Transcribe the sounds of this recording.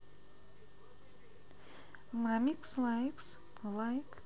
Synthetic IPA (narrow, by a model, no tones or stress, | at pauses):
mɾamikslajks | lajk